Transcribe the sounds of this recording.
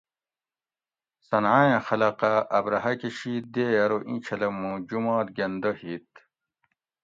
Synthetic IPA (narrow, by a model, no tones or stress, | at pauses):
sɐnʕajẽxɐlɐqaʔɐbɾɐɦɐkeɕiːd̪eːjɐɾoʔĩt͡ɕʰɐlɐmːũd͡ʑumɑːt̪̚ɡɐnd̪ɐhit̪̚